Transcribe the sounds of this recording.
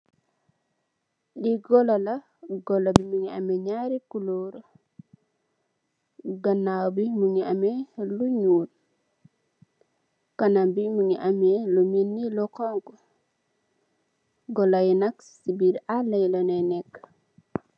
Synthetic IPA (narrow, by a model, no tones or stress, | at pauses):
ɗiɡɔlala | ɡɔlabimuŋia̰mɛɲaɾikuloɾo | ɡanːawbimuŋiameluɲuːl | kanambimuŋiʔamɛlominːilɔkɔŋɡɔ | ɡɔlajnak | sibiɾalajlɔnɛnɛk